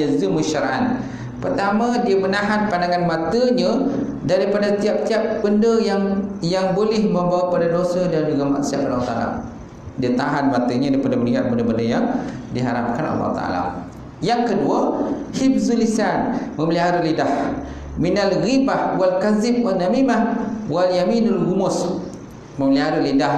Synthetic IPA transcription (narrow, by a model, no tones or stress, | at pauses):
azumuʃaɾaʔa̰n | pərt̪amãdiamənaɦanpandaŋanmat̪əɲã | daɾipadat̪iap̚t̪iap̚b̥əndəjaŋjaŋbolɪhməmbawapadadosədand͡ʒuɡama̰ʔsiaʔpalaut̪aala̰ | diat̪aɦanmat̪əɲadaɾipadabəniɦat̪̚bəndəbəndəjaŋdiɦaɾap̚kana̰lːɑ̰hṵt̪a̰a̰la̰ | jaŋkəduahib̚zulisanmə̃məliɦaɾuʔlidah | minalɣibahwalkazɪp̚wanamimahwaljaminalɡumʊs | məməliɦaɾuʔlida